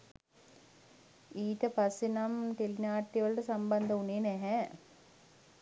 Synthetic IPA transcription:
iːtɐpasinamʈelinaːʈːiʋɐɭʈɐsambɐnd̪ɐuneːnɛɦɛ

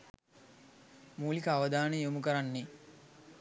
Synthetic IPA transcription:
muːlikəaʋɐd̪aːnəjumukəɾanːe

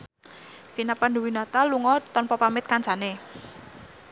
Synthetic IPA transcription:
finapanduwinat̪aluŋɔt̪ɔnpɔpamɪt̪̚kant͡ʃane

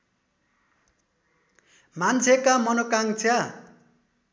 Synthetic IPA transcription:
mant͡sʰekamʌnokaŋt͡sʰja

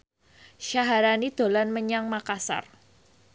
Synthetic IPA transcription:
ʃaɦaɾanid̪̥o̤lanməɲaŋmakasa̰r

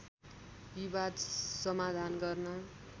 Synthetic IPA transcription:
biβad̪sʌmad̪ʱanɡʌrnʌ

